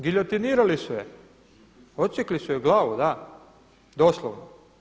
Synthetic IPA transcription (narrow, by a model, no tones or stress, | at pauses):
ɡiʎot̪iniːɾalisujḛ | ot̪t͡ʃeklisujeɡlˠaːʋud̪a | d̪oːslˠoʋno